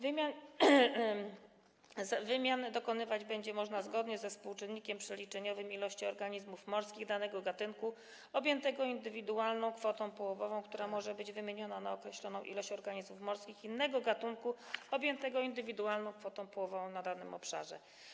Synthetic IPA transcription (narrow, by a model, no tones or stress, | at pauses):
vmʲjan | zavɘmʲjand̪ɔkɔnɘvad͡ʑbɛɲd͡ʑɛmɔʐnazɡɔd̪ɲɛzɛfspuwt͡ʂɨnːikʲɛmpʂɛlʲit͡ʂɛɲɔvɘmilɔɕt͡ɕiɔɾɡaɲizmufmɔɾskʲiɣd̪anɛɡɔɡat̪ɘnku | ɔbʲjɛnt̪ɛɡɔind̪ɘvʲid̪ualnɔ̃w̃kfɔt̪ɔ̃w̃pɔwɔvɔvɔ̃w̃kt̪uɾamɔʐɛbɘd͡ʑvɘmʲjeɲɔnanaɔkɾɛɕlɔnɔ̃w̃ʔḭlɔɕt͡ɕɔɾɡaɲizmufmɔɾskʲixinːɛɡɔɡat̪uŋkuɔbʲjɛnt̪ɛɡɔind̪ɘvʲid̪ualnɔ̃w̃kfɔt̪ɔ̃w̃pɔwɔvɔvɔ̃w̃nad̪anɘmɔpʂa̰ʐɛ̰